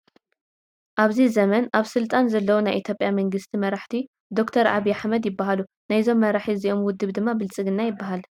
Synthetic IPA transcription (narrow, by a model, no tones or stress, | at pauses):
ʔaβzizɐmɐnaβsɨlt̪ʼanzɐlːɐwunajʔit̪ʰjo̞pʼjamɐŋɡɨst̪ʰimɐɾaħt̪ʰi | d̪o̞kt̪ʰɐɾʔa̰βijːaħmɐd̪jɪbːaɦalu | najzo̞mːɐɾaħiziʔo̞mwʊd̪ːɨβd̪ɨmːabɨlt͡sʼɨɡɨnːajɪbːaɦal